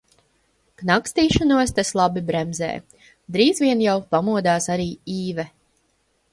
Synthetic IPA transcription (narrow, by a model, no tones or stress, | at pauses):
knakst̪iːʃɔnuɔst̪aslˠabibɾɛmzɛ̰ː | d̪ɾiːzvʲiɛnjawpamuɔd̪aːsaɾiːiːvɛ